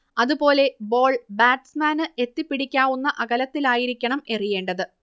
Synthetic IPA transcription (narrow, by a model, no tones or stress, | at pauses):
ɐðupo̞ːle̞bo̞ːɭbaːʈsmaːnɨe̞t̪ːipːiɽikʲːaːʋunːɐʔɐɣɐlɐt̪ːilaːjiɾikʲːɐɳɐme̞rije̞ːɳɖɐðɨ